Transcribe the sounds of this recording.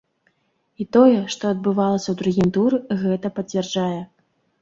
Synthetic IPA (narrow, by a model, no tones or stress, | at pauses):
it̪ɔjɛʂt̪ɔɐd̪̚bɨvalˠɐsʲɐwd̪ɾuɣʲimt̪uɾɨɣɛt̪ɐpɐt͡sʲvʲɛrd͡ʐajɛ